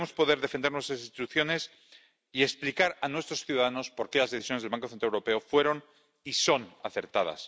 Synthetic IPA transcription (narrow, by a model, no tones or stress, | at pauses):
mo̞spo̞ðe̞ɾðe̞fe̞nd̪eɾnwest̪ɾasĩnst̪it̪uθjo̞ne̞s | ie̞ksplikaɾanwe̞st̪ɾo̞sθjuðaðano̞spo̞ɾkelazðeθisjonezðlβaŋkoθent̪ɾaewɾo̞pe̞o̞fwe̞ɾo̞n | iso̞naθe̞ɾt̪að̞a̰s